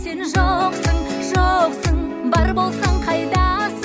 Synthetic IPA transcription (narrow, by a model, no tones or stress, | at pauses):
se̞nʒoqsəɴʒoqsəɴbɑɾbo̞lˠsɑɴqʰɑjd̪ɑs